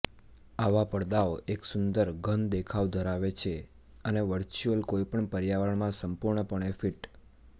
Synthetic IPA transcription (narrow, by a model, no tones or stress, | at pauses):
aʋapəɽd̪aoʔeksʊnd̪əɾɡʱənd̪ekʰaʋd̪ʱəɾaʋet͡ʃʰe | əneʋəɾt͡ʃuəlkoipəɳpəɾjaʋəɳmãsəmpuɾɳəpəɳ̃efiʈ